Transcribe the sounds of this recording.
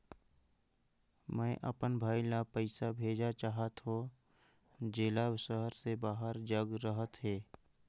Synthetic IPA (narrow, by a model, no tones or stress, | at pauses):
mɛ̃ːʔə̰pənbʱaːilapəɪsabʱeːd͡ʒat͡ʃaːɦət̪ɦo | d͡ʒeːlaʃəɦəɾsebaːɦəɾd͡ʒəɡɾəɦət̪ɦeː